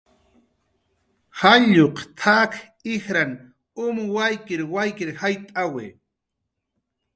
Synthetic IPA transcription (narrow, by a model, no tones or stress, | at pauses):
haʎoqt̪ʰak | ɪxɾan | ʊmwajkɪɾwajkɪɾhajt̪ʼaweː